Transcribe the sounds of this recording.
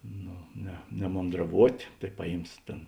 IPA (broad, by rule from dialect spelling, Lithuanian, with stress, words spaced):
ˈnoː nʲɛ nʲɛmoːndrɐˈʋuɔtʲ tɐɪ ˈpɑːˌjiːms ˈtʲeːn